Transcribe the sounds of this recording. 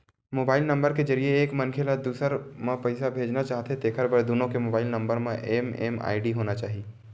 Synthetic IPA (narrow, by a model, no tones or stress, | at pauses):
moːbaːɪlnɐ̃mbəɾked͡ʒɐɾieːkmɐnkʰelad̪uːsəɾmãpɐɪsabʱeːd͡ʒnat͡ʃaːɦt̪et̪eːkʰəɾbəɾd̪oːnõkemoːbaːɪlnɐ̃mbəɾmẽʔeːmḛːma̰ːɪɖiɦoːnat͡ʃaːɦi